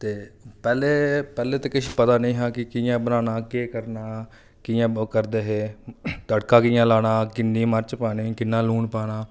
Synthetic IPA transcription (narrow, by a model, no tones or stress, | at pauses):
t̪eːpɛːleːpɛːleːt̪eːkɪʃipət̪aːnəĩːɦãːkɪkɪjãːbənaːnaːkeːkəɾnaː | kɪjãːkəɾd̪eːɦeːt̪əɽkãːkɪjãːlaːnaːkɪnːiːməɾt͡ʃpaːniːkɪnːãːluːɳpaːnaː